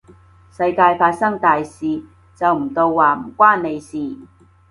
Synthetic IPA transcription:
sɐ˧jkaː˧jfaː˧t̚sɐ˥ŋt̪aː˨jsiː˨ | t͡sɐ˨wm̩˨˩t̪o˧wːaː˨m̩˨˩kʷwaː˥nne˨˧jsiː˨

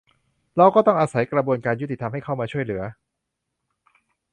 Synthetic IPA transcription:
ɾa˧wkɔː˥˩t̪ɔ˥˩ŋʔaː˧sa˩˦jkɾa˧bu˧ənkaː˧nju˦˥t̪ːi˨˩t̪ʰa˧mɦa˥˩jkʰa˥˩wmaː˧t͡ɕʰu˥˩əjlɯ˩˦ɐ

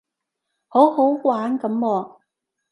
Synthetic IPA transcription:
ho˨˥who˨˥wkwaː˨˥nkɐ˨˥mwɔː˧

